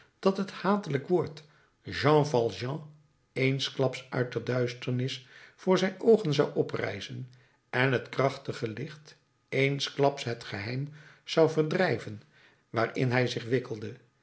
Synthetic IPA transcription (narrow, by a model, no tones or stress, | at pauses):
d̥ɑtɦəthaːtələkʋʊːɹt | ʒɑ̃ːvɑlˠʒɑ̃ | ejnsklɑpsœ̰ɥt̚dədœɥstəɹnɪsfʊːɹzɛjnowχənzɑwʔɔprɛ̰jzən | ʔɛnɦətkrɑχtəχəlɪχt | ejnsklɑpsɦətχəɦɛjmz̥ɑwvəɹdrɛjvən | ʋaːrɪ̰nɦɛjzɪχʋɪkəlˠdə